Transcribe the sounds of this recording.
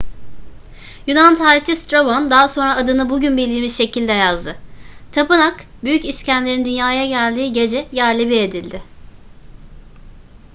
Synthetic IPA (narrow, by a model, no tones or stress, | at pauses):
junant̪ʰaːɾit͡ʃʰist̪ɾobo̞nd̪aɦso̞nɾaːd̪ɯnɯbuɟynbilʲimiʃʃe̞cʰilʲd̪ɛjazd̪ɯt̪ʰapɯnakbyjyciscʰænlʲe̞ɾind̪ynjaːjaɟælʲd̪iːɟe̞d͡ʒɛjæɾlʲibied̪ilʲd̪ɪ